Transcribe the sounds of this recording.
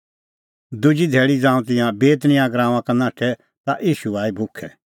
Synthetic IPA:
d̪ʊd͡ʒid̪ʱeːɭid͡zãːũt̪̬ɪ̃jãbeːt̪nɪ̃jãɡɾãːãkanaːʈʰɛ | t̪aʔiːʃuaːibʱʊkʰːɛ

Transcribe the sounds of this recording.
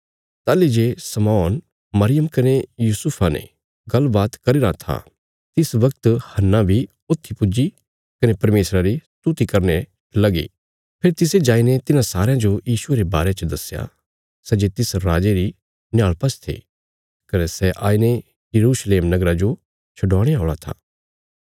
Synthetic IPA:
t̪aːlid͡ʒeːsɐmɔːn | mɐɾɪjəmkɐnejuːsʊpʰanḛ | ɡɐlbaːt̪kɐɾiɾat̪ʰa̰ | t̪ɪsʋɐk̚t̪hɐnːãbʱi | oːt̪ʰːipʊd͡ʒi | kɐnepɐɾmeːsɾaɾist̪ut̪ikɐɾne | lɐɡḭː | pʰɪɾt̪ɪsed͡ʒaːinet̪ɪnãsaːɾãd͡ʒojiːʃʊeɾebaːɾet͡ʃəd̪ɐsja̰ | sɛd͡ʒet̪ɪsɾaːd͡ʒeɾi | njaːɭpɐst̪ʰḛ | kɐnesɛʔaːine | jɐɾuːʃleːmnɐɡɾad͡ʒo | t͡ʃʰɐɖɔːɽ̃eaɔːɭat̪ʰa̰ː

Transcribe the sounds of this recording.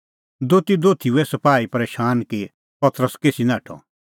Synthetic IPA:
d̪oːt̪id̪oːt̪ʰiuɛsɐpaːipɐɾeːʃaːnki | pɐt̪ɾəskeːsinãːʈʰɔ̰

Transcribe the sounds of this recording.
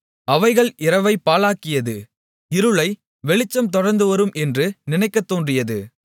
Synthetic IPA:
ɐʋɐɪɣɐɭɪɾɐʋɐɪpːaːlaːkɪjɐðɯ | ɪɾɯɭɐɪ | ʋɛɭɪt͡ʃːɐmt̪ɔɽɐɾnd̪ɯʋɐɾɯmʔɛndrɯnɪnɐɪkːɐt̪ːoːndrɪjɐðɯ

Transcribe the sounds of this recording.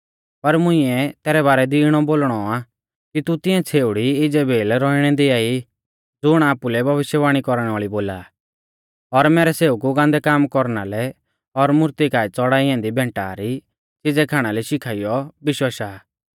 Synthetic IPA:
pɐɾmʊ̃ĩɛt̪ɛːɾɛbaːɾɛd̪iːɽ̃ɔboːlɽ̃ɔa | kit̪ut̪ɪ̃ɛ̃t͡sʰeːʊɽiɪd͡zɛbʱeːlɾɔiɽ̃ɛd̪iaːi | d͡zʊɽ̃aːpulɛbʱɐʋɪʃjəʋaːɽ̃ikɔɾɽ̃ɛ̃aːɭiboːla | ɔɾmɛːɾɛseːukuɡãːnd̪ɛkaːmkɔɾnalɛ | ɔɾmʊɾt̪ikaːɛt͡sɔɽaːiãnd̪ibʱɛ̃ːɳʈa̰ːɾi | t͡sɪd͡zɛkʰaːɽ̃alɛʃɪkʰaːijɔbɪʃwaʃaː

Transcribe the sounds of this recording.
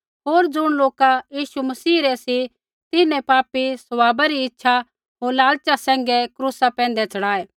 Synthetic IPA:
ɦoːɾd͡zʊɽ̃loːkajiːsumɐsiːɾɛsi | t̪ɪnɛ̃paːpisʊʋaːbaɾiɪtːʃʰa | ɦoːɾlaːlt͡ʃasɛ̃ːŋ̆ɡɛkɾuːsapɛ̃ːnd̪ɛt͡sɐɽaːeː

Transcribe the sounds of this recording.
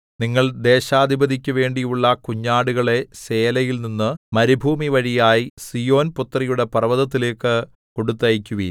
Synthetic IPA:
niŋːɐɭd̪e̞ːɕaːd̪ʱibɐd̪ʱikʲːɐʋe̞ːɳɖijuɭːɐkuɲːaːɽuɣɐɭe̞se̞ːlɐjilninːɨmɐɾibʱuːmiʋɐɻijaːjisijo̞ːnput̪ːrɐjuɽe̞pɐrɐʋɐðɐt̪ːile̞ːkːɨ | koɽut̪ːɐjikʲːuʋi

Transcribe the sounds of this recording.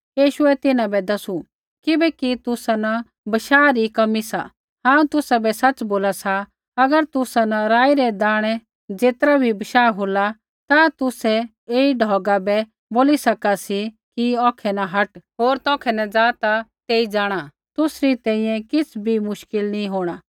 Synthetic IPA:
jiːʃʊɛt̪ɪnãbɛd̪ɐsu | kɪbɛkit̪ʊsana | bɐʃaːɾikɐmisa | ɦãːũt̪ʊsabɛsɐt͡sːboːlasa | ɐɡəɾt̪ʊsanaɾaːiɾɛd̪aːɽ̃ɛ | d͡zeːt̪ɾabʱibɐʃaːɦoːla | t̪at̪ʊsɛ | eːiɖʱɔːɡabɛ | boːlisɐkasi | kiɔ̃ːkʰɛnaɦɐʈɦoːɾt̪ɔ̃ːkʰɛnɐd͡zaːt̪at̪eːid͡zaːɽ̃a | t̪ʊsɾit̪ɛ̃ːĩjɛ̃kɪt͡sʰbʱimʊʃkɪlnĩɦoːɽ̃aː

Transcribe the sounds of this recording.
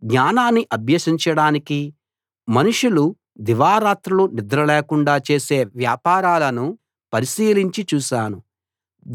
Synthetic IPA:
ɡɲaːnaːnːiʔɐbʱjɐʃiɲt͡ʃɐɽaːniki | mɐnuʂulu | d̪iʋaːɾaːt̪ɾulunid̪ɾɐlɛːkuɳɖaːt͡ʃe̞ːse̞ːʋjaːpaːɾaːlɐnu | pɐɾiʃiːliɲt͡ʃit͡ʃuːʃaːnu

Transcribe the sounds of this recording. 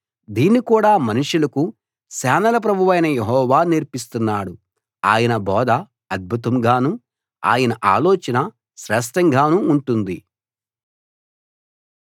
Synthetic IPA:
d̪iːnːikuːɽaːmɐnuʂulɐku | saːnɐlɐp̬ɾɐbʱuʋɐjnɐjeɦɔːʋaːniɾpist̪unːaːɽu | aːjɐnɐbɔːd̪ʱɐ | ɐd̪̚bʱut̪ɐmɡaːnu | a̰ːjɐnɐʔaːloːt͡ʃɐnɐ | ʃɾɛːʂ̬ʈɐŋɡʱaːnuːɳʈund̪i

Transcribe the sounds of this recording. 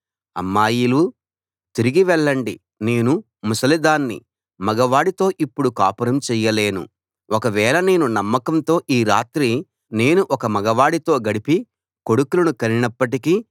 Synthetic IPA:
ɐ̰mːaːjilu | t̪iɾiɡiʋɛɭːɐɳɖi | ne̞ːnu | musɐlid̪aːnːḭ | mɐɡɐʋaːɽit̪o̞ːʔipːuɽukaːpɐɾɐmt͡ʃɛːjɐle̞ːnṵ | ɔkɐʋɛːlɐne̞ːnunɐmːɐkɐnt̪o̞ːʔiːɾaːt̪ɾi | ne̞ːnuʔɔkɐmɐɡɐʋaːɽit̪o̞ːɡɐɽipi | ko̞ɽukulɐnukɐninɐpːɐʈ̬iki

